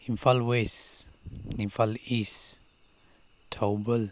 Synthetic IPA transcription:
ĩmfalwes | nĩmfalis | tʰowbəl

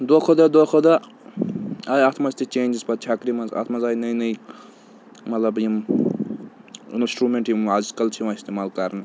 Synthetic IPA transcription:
d̪okʰod̪ɐd̪okʰod̪a | ajat̪ʰmɐzt̪it͡ʃeːnd͡ʒizpɐt̪̚t͡ʃʰakɾimɐnzɐ̰t̪ʰmɐzaːjnɐjnɐj | mɐt̪lɐbjim | insʈɾumeːɳʈjimazkɐlt͡ʃʰimãist̪emaːlkɐɾnɨ

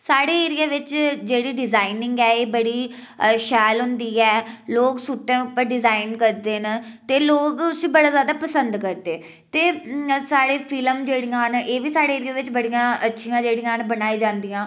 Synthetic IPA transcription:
saːɽeːeːɾɪjaːʋɪt͡ʃd͡ʒeːɽiːɖɪzaːɪnɪŋɡɛːeːbəɽiːʃɛːlɦʊnd̪iːɛːloːksuʈːẽːʊpːəɾɖɪzaːɪnkəɾd̪eːnt̪eːloːɡʊsiːbəɽaːzjaːd̪aːpəsənd̪kəɾd̪eː | t̪eːsaːɽeːpʰɪləmd͡ʒeːɽijãːneːʋiːsaːɽeːeːɾɪjãːʋɪt͡ʃbəɽijãːʔətːʃʰijãːd͡ʒeːɽijãːnbənaːiːd͡ʒãːnd̪ijãː

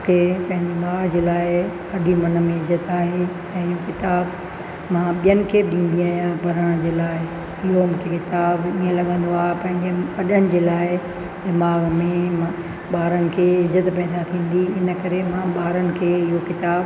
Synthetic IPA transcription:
kʰepɐ̃ɦɪ̃ɲd͡ʑemaːɡd͡ʑeːlaːɪ | ɐɗimɐnə̆mẽɪzət̪aːɦe | ɛ̃ːɪɦokɪt̪aːb | mãɓijənɪ̆kʰeːɗĩːn̆d̪iaːjãpɐɾəɽ̃d͡ʑeːlaːɪ | ɪɦomũːkʰekɪt̪aːbiːə̃lɐɡə̃nd̪oaːɦepɐ̃ɦɪ̃ɲd͡ʑeɐɗəɽ̃ɪ̆d͡ʑeːlaːɪ | d̪ɪmaːɡmẽm | ɓaːɾənɪ̆kʰeːɪzət̪pɛːd̪at̪ʰĩːn̆d̪iɪnə̆kɐɾemãɓaːɾənɪ̆kʰeːɪɦokɪt̪aːb

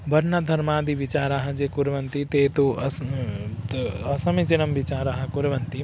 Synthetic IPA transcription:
bɐɾnɐd̪ʱɐɾmaːd̪iʋit͡ʃaːɾaɦɐd͡ʒekuɾʋɐnt̪it̪eːt̪uɐ | ɐsɐmit͡ʃinɐmʋit͡ʃaːɾaɦɐkuɾʋɐnt̪i

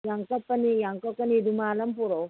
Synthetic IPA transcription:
jɐŋkɐpːɐnijɐŋkɐpːɐnid̪umaːlɐmpuɾo

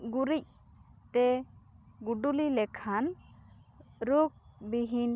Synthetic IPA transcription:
ɡuɾic̚ | t̪ɛ | ɡuɖulilɛkʰan | ɾuk̚biɦin

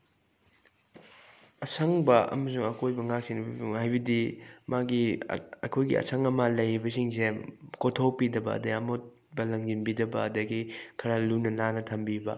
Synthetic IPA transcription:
ɐsʰɐŋbɐʔɐ̰mɐsuŋɐkojbɐŋak̚sinbibŋɦajbɐdimaɡiɐkʰojɡḭʔɐ̰sʰɐŋɐmɐlɐjbɐsiŋsekotʰowpidɐbɐ̰ɐ̰dɐɐmot̚ | bɐlɐŋd͡ʒinbidɐbɐːdɐɡikʰɐɾalunɐlanɐtʰɐmbibɐ̰

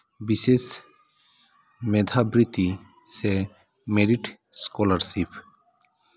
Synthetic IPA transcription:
bises | mɛd̪ʱabɾit̪i | se | meɾiʈ | skɔlaɾsipʰ

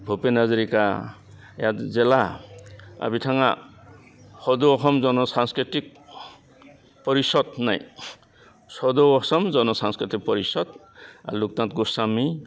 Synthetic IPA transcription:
bʱɔpenazɔɾika | jazɛla | a̰bitʰaŋa̰ | hɔdɔɔxɔmzɔnɔsanskɾitik̚ | pɔɾisɔdnaj | sɔdɔɔsɔmzɔnɔsanskɾitik̚pɔɾisɔd | a̰luk̚tãt̚ɡusami

